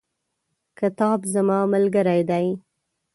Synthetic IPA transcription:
kɪt̪ɑbzamɑməlɡəɾajd̪aj

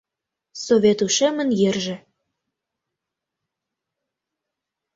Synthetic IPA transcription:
sovʲet̪uʃemə̆njerʒĕ

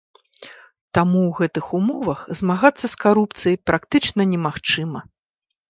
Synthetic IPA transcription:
t̪amuwɣɛt̪ɨxumɔvɐxzmaɣat̪sːɐskaɾupt̪sɨjɐjpɾakt̪ɨt͡ʂnɐnʲɛmaxt͡ʂɨmɐ

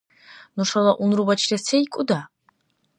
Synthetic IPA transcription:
nuʂalˠaʔunɾubat͡ʃʰlɛsʰɛikʼud̪a

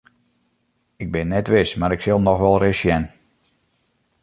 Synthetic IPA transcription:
ɪɡ̚bɪnːɛtʋɪsmaɾɪksɪlˠnɔxʋɛlˠrɪsjɛn

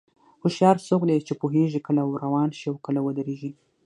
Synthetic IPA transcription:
hʊʃjɑɾsokd̪et͡ʃepoɦeʒikəlaɾawɑnʃiawkəlawəd̪əɾeʒi

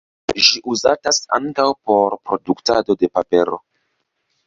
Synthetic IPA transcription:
ʒiʔuzatasa̰ŋkawpo̞ɾpɾo̞duktado̞de̞pape̞ɾo̞̰

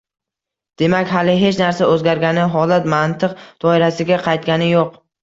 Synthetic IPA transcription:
d̪̥e̞makʲɦalɪɦe̞t͡ʃnaɾsaɵzɡʲaɾɡʲanɪɦɒlat̪mant̪ʰɨqd̪̥ɒɪɾasɪɡʲaqʰɑjt̪̚ɡʲanɪjoq

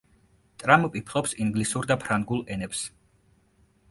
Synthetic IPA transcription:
t̪ʼɾamupʼipʰlˠɔpsiŋɡlisuɾd̪apʰɾaŋɡulˠɛnɛps

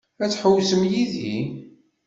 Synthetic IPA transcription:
æt͡sːħəwsəmjiði

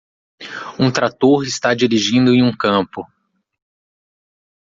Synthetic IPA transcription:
ũt̪ɾat̪oɾɪst̪ad͡ʒiɾiʒĩnd̪ʊẽj̃ũkɐ̃pʊ

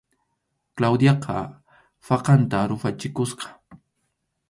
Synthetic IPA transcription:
klawd̪jɑqʰɑ | fɑqɑnt̪aɾʊfat͡ʃɪkʊsqɑ̥

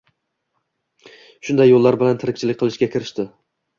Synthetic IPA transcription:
ʃʊnd̪ajːolˠːaɾbɪlant̪ʰɪɾɪk̚ʲt͡ʃʰɪlɪk̚ʲqʰɨlˠɪʃkʲakʲʰɪɾɪʃt̪ɪ

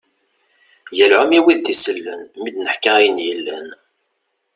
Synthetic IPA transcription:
jəlʕʊmiwiðt̪isəlːənmid̪nəħkæijənjəlːæn

